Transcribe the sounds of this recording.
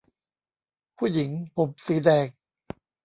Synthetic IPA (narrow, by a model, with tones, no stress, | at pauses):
pʰuː˥˩ji˩˦ŋpʰo˨˩p̚siː˨˦dɛː˨˩k̚